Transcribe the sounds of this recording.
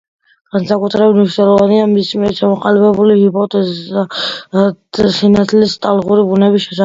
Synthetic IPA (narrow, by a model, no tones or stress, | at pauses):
ɡ̥ansakʼut̪ʰɾɛbit̪niʃnɛlˠɔvaniamismiɛɾt͡ʃʰamɔqʼalɛbɛbulihipʰʼɔt̪ʼɛz | sinat̪ʰlist̪ʼalˠʁuɾibunɛbiʃɛsa